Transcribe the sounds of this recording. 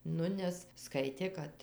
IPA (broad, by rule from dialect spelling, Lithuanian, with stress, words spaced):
ˈnʊ ˈnʲɛs ˈskɐɪtʲeː ˈkɐt